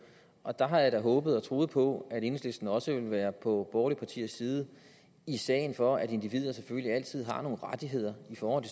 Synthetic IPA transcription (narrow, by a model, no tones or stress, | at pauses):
ʔɒ̽d̥ɑ̈ɦɑ̈jɑdæɦɔ̽ːb̥ð̞̩ˠɒ̽t͡sʰʁo̝ːð̞̩ˠpʰɒ̽æɾ̥e̝nsle̝sd̥n̩ɒ̽səʋe̝lʋæːɐpʰɒ̽b̥ɒːlipʰɑ̈t͡sʰḭːɐ̰siːðˠə | isɛ̰ːɪnfɒ̽æde̝nd̥iʋið̞̰ˠɐsefølliæl̰t͡sʰið̞̰ˠɦɑ̈no̝ːn̩ʁad̥iɦe̝ð̰ˠɐifɒːhɒ̽n̰t͡sʰe